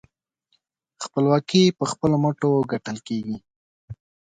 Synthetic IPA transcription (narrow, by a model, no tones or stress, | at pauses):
xpəlwɑkipəxpəloməʈoɡaʈəlkeɡi